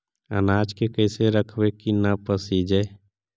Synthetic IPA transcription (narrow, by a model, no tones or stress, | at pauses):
ə̰naːd͡ʒkekəɪseɾəkʰʋekinapəsid͡ʒe